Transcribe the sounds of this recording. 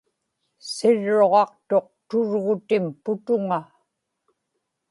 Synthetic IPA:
sɪɻːoʁɑqt̪o̞q̚t̪ʊɻɣʊt̪ɪmpʊt̪ʊŋa

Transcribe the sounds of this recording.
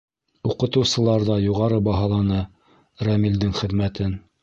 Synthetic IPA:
uqɤ̆t̪ɤ̆wsɤ̆lˠɑɾðɑjuʁɑɾɤbɑɦɑlˠɑnɤ | ɾæmild̪ɘŋχɘ̆ðmæt̪ɘn

